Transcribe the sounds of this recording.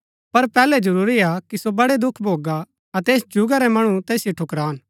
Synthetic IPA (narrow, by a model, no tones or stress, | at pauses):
pɐɾpɛːlɛd͡ʒɐɾuːɾiakisobɐɽed̪ʊkʰbʱoːɡa | ɐt̪eːsd͡ʒʊɡaɾɛmɐɽ̃ũt̪eːsjoʈʰʊkɾaːn